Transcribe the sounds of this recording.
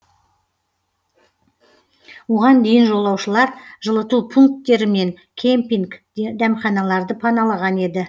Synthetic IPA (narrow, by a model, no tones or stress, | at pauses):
woʁɑnd̪e̞jɪnʒo̞lˠɑwʃəlˠɑɾʒəlˠət̪upʰuŋk̚t̪ːe̞ɾɪme̞ŋ | kʲʰempiŋk | d̪æmχɑnɑlˠɑɾd̪əpʰɑnɑlˠɑʁɑne̞d̪ɪ